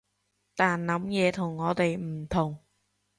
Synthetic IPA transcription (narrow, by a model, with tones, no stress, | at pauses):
t̪aː˨˩nnɐ˨˥mjɛː˨˧˥t̪ʰʊ˨˩ŋːɔː˨˥d̪e˨˩jm̩˨˩t̪ʰʊ˨˩ŋ